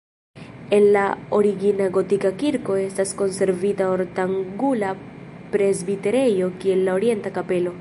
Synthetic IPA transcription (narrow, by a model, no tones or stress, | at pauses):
e̞nːao̞ɾiɡinaɡo̞tikakiɾko̞e̞stasko̞nse̞ɾvitao̞ɾtaŋɡula | pɾe̞zbite̞ɾe̞jo̞kie̞lːaoɾje̞ntakape̞lo̞